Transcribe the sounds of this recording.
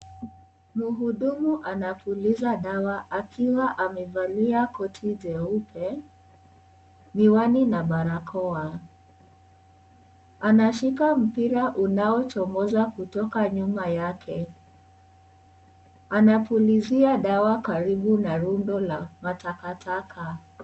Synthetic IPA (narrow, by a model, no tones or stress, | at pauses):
muɦuɗumuʔanapulizaɗawaʔakʰiwaʔamɛvaliakɔtʰiʄɛupʰɛ | miwaninaɓaɾakʰɔa | anaʃikam̩piɾaʔunaɔt͡ʃɔmɔzakutɔkaɲumajakʰɛ | anapuliziaɗawakaɾiɓunaɾundɔlamatakatʰakʰa